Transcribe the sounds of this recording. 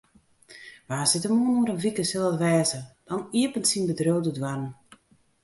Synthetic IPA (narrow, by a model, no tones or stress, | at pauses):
ʋaːsɪtəmoənoəɾənʋikəsɪlˠətʋɛːzəd̥ɔniəpəntsinbədrøwdədwann